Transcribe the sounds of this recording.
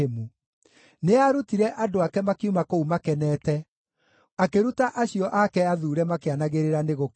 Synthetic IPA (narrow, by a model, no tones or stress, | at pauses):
emu | neaɾutiɾɛʔadoakɛmakeumakoumakɛnɛːtɛ | akeɾutaʔaɕiɔʔakɛaðuːɾɛmakeanaɣeɾeɾaneɣok